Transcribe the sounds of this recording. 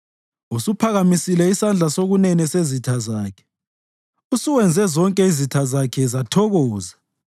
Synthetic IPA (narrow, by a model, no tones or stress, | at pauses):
usupʰaɣamisilɛisand͡ɮʱasoɣunɛnɛsezitʰazaːkʰɛ̥ | usuwɛnd͡zʱɛzɔŋkʼɛizitʰazakʰɛzatʰɔɣɔːza